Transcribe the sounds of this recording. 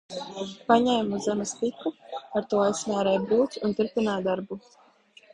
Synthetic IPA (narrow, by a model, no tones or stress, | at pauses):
paɲɛjmuzzamɛst̪ikɾuaɾt̪uɔajsmaːɾɛjbuːt̪ʲunt̪uɾpʲinaːd̪aɾbu